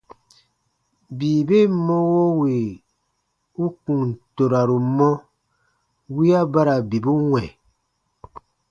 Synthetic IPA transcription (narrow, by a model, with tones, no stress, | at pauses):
biː˨be˦˨mɔ̃˦wo˦we˨ | u˦kũ˨ŋ˨to˨ɾa˨ɾu˨mɔ̃˦ | wi˦a˦ba˦ɾa˨bi˨bu˦wɛ̃˨